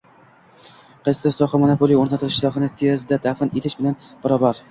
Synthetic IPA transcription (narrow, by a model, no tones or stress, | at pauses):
qʰɑjst̪asɒχɑmanopʰolˠijoɾnat̪ʰɪlɪʃt̪ɒχɨnɪt̪ʰezd̪ad̪afɪnet̪ʰɪʃbɪlanb̥aɾɒbaɾ